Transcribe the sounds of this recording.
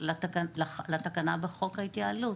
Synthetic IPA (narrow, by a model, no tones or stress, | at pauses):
laakalalat̪akanabeχo̞khait̪jaːlu